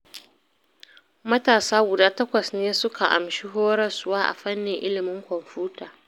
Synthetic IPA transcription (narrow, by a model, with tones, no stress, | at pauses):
mɐ˦taː˨saː˦ɡʷʊ˨daː˦tɐ˦kʷɐ˨sneː˦sʊ˦kʰa˨ʔa̰˨mʃi˦ɦoː˦ɾɐ˨sʊ˦waː˦ʔa̰˨ɸɐ˦nːɪ˨ŋʔɪ˦lɪ˨mɪ˦ŋkʷɔ˨mɸuː˦taː˨